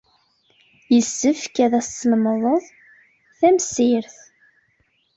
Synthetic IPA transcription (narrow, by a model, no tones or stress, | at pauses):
jəsːəfkæðæsːənməðˤəðˤ | θæmsɪɾθ